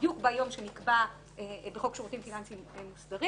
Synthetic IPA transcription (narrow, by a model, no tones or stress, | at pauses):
jukbajo̞mʃenikba | ebeχo̞kʃoʁutimfinant͡simemusdaʁi